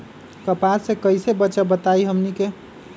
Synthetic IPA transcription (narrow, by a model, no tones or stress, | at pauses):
kəpasẽkəjsebətːʃabət̪aiɦəmnike